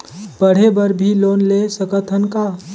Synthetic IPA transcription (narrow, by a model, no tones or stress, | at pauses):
b̥əɽ̤ebəɾbʱilonlesəkət̪ʰənka